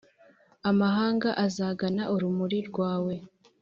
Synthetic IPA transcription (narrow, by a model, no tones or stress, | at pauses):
amaɦaːŋɡaʔazaːɡanaʔuɾumuɾiɾɡwaːwe̞